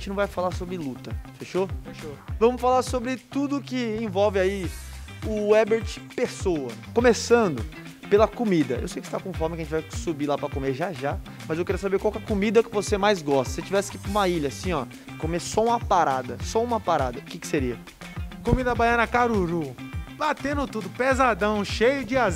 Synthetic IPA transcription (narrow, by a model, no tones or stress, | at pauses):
ʒẽt͡ʃɪnɐ̃vajfalaɾsobɾɪlut̪ɐfeʃofeʃovɐ̃mʊsfalaɾsobɾɪt̪ud̪ʊkɪẽvɔwvɪai | ʊɛbeɾt͡ʃpesowɐkõmesɐ̃nd̪ʊ | pelɐkomid̪ɐʔewsejkɪst̪akõfɔɾmɪkɐʒẽt͡ʃɪvajsubilapɾɐkomeɾʒaʒa | mɐzewkeɾiɐsabeɾkwawkɛɐkomid̪ɐkɪvosemajzɡɔst̪ɐ̥set͡ʃivɛsɪ̥kɪpũmɐiʎɐsĩɔ | komesɔũmɐpaɾad̪ɐsɔũmɐpaɾad̪ɐʊkɪkɪ̥seɾiɐ | komid̪ɐbajɐ̃nɐkaɾuɾubat̪ẽnd̪ʊt̪ud̪ʊpezad̪ɐ̃w̃ʃejʊd͡ʒɪa